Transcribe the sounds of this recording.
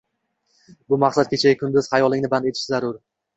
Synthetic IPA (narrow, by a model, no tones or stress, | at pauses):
bʊmaqsat̪̚kʲʰe̞t͡ʃʰajʲɪkʰʊnd̪ʊz̥χajɒlˠɪŋnɪband̪et̪ʰɪ̥ʃɪzaɾʊɾ